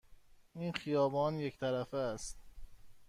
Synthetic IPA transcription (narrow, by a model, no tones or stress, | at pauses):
iːnxijɒːbɒːnject̪ʰæɾæfeæst̪̚